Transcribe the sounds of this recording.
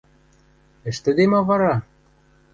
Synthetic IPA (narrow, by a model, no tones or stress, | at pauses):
ɘ̆ʃt̪ɘ̆d̪emɑβɑɾɑ